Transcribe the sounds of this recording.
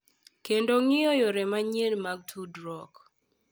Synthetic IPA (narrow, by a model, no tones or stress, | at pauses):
kendoŋɪojɔɾɛmaɲenmaɡ̚tʰudɾɔk